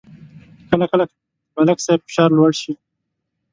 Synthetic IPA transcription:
kalakalak | malaksab̚fɪ̥ʃɑːɾlwaɽʃi

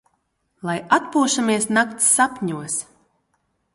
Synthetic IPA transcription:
lˠajat̪̚puːʃamiɛsnakt̪sːapʲɲuɔs

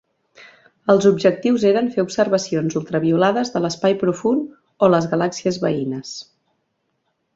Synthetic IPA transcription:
əlˠzubʒək̚t̪iwzeɾənfeubsəɾβəsionzulˠt̪ɾəβiulaðəzðələspajpɾufun | oləzɣəlaksiəzβəinəs

